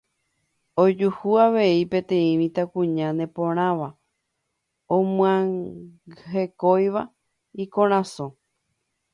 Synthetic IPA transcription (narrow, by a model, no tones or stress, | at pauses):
od͡ʒuhuaʋe̞ipẽ̞t̪ẽ̞ĩmĩt̪akũɲãnẽ̞põɾ̃ãʋa | õmw̃ã | ɦe̞kojʋa | ikõɾ̃ãsõ